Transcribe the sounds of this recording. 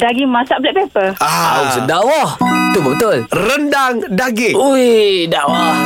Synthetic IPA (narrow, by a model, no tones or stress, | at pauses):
daɡimãsaʔblɛʔpepəaosədawɔht̪ubət̪ʊlrəndaŋdaɡiujdawɔh